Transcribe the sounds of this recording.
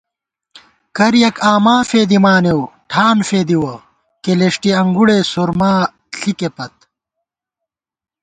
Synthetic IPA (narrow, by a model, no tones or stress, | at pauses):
kɐɾjɐkaːmaːfeːd̪imaːnewʈʰaːnfeːd̪iwɐ | keleʂʈiɐŋɡuɽesoɾmaː | ɬʰikepɐt̪̚